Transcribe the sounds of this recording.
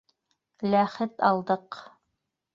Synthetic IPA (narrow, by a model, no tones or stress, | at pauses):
læχɘt̪ɑlˠd̪ɤq